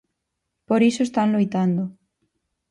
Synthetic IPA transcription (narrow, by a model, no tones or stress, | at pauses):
poɾisoest̪anlojt̪and̪ʊ